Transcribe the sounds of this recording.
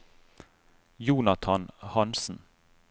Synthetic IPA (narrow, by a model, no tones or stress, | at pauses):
juːnɑt̪ʰɑnhɑnsn̩